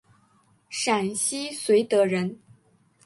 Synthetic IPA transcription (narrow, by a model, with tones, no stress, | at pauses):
ʂa˨˩nɕi˥swe˧˥ɪt̪ɤ˧˥ɻə˧˥n